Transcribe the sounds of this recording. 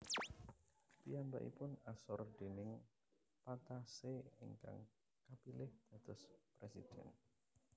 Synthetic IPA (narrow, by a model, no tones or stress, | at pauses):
piamba̰ʔḭpʊnasɔrd̪̥enɪŋ | pat̪aseiŋka̰ŋ | kapilɪhd̪̥a̤t̪ɔspɾɛsid̪̥ɛ̰n